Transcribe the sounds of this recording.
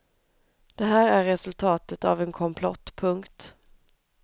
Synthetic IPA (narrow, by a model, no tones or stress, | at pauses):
d̪̥ɛɦæːɾæɾːɛsɵlt̪ʰɑːt̪ət̪a̰vɛnkʰɔmpʰlɔt̪ːpʰɵŋkt̪